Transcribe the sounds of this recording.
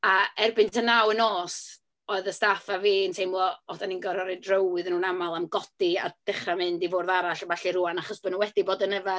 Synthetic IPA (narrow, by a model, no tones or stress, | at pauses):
aɛrbɪntʰənawənoːs | oːɨðəstafaviːntʰejmlˠɔɔdaninɡɔɾɔɾɨdrowɨðnuːnamalˠamɡɔd̥ia̰d̥ɪχramɨndivʊːrðaɾaɬavaɬiruanaχɔsb̥ənuwɛdiboːdənəva